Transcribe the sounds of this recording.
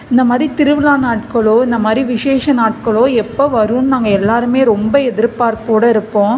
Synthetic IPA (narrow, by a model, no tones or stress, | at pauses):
ɪnd̪ɐmaːd̪ɾit̪ɪɾɯʋɪlaːnaːʈkɐɭoːɪnd̪ɐmaːd̪ɾiʋɪʂeːʂɐnaːʈ̚kɐɭoːɛpːɐʋɐɾɯnnaːŋɡɐɛlːaːɾɯmeːɾɔmbɐɛðɪɾpaːɾpoːɽɐɪɾɯpːõː